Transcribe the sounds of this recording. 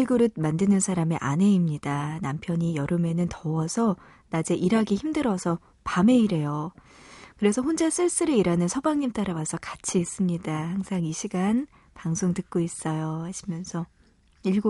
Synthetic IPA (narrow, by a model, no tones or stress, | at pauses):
ɭɡuɾɯd̚mandɯnɯnsʰaɾamiʔane̞imɲidanampʰjʌɲijʌɾɯme̞nɯntʌwʌsʰʌ | nad͡ʑe̞ʔiɾaɡiçimdɯɾʌsʰʌ | pame̞iɾe̞jo | kɯɾe̞sʰʌɦond͡ʑas͈ɯɭs͈ɯɾeiɾanɯnsʰʌbaŋɲimt͈aɾawasʰʌkḁt͡ɕʰiːs͈ɯmɲidahaŋsʰaŋiɕʰiɡan | paŋsʰoŋtɯk̚k͈ois͈ʌjohaɕʰimjʌnsʰʌ | iɭɡo